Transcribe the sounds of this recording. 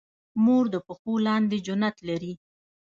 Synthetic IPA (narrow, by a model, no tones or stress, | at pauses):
moɾd̪əpəxolɑnd̪ed͡ʒʊnat̪laɾi